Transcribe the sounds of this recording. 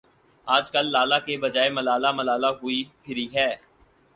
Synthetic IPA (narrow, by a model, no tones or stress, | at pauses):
aːd͡ʒkɐlːaːlakebɐd͡ʒaːemɐlaːlamɐlaːlaɦʊipʰɪɾiɦɛː